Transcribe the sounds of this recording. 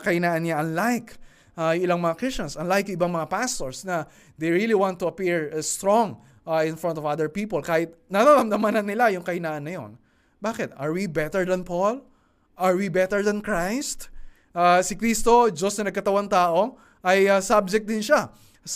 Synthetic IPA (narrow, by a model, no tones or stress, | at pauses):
kɐɪnaːʔɐnɲaʔɐnlajk | ʔajʊŋʔɪlaŋmɐŋakɹist͡ʃɐnsɐnlajkjʊŋʔɪbaŋmɐŋapast̪oɹsnɐ | d̪ejɹiliwãnt̪ːʊɐpiɹst̪ɹɔ̃ŋ | ʔɪ̃nfɹɔ̃nt̪ɔvaðəɹpiːpolkaːhɪt̪̚nɐɾaɾɐmd̪ɐmanɐnːɪlajʊŋkɐɪnaːʔɐnːɐjo̞̰n | baːkɪt̪ɐɹwibɛt̪ɛɹd̪ɐnpol | ʔɐɹwibɛt̪ɛɹd̪ɐnkɹajst̪ | ʔasɪkɾist̪od͡ʒosnɐnɐɡ̚kɐt̪ɐwant̪aːʔo̞ | ʔɐjasab̚d͡ʒɛk̚d̪ɪnʃa